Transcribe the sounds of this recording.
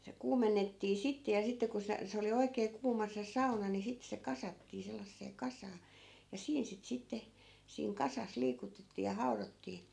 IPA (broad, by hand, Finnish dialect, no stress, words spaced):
se kuːmenːetːiː sitːe jɑ sitːe ku se se oli oikeː kuːmɑ se sɑunɑ ni sit se kɑsɑtːiː selːɑsːeː kɑsɑː jɑ siːn sit sitːe siːŋ kɑsɑs liːkutetːiː jɑ hɑu̞rotːiː